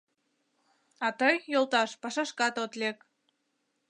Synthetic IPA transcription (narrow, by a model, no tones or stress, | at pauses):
ɑt̪əjːolt̪ɑʃpɑʃɑʃkɑt̪ot̪lek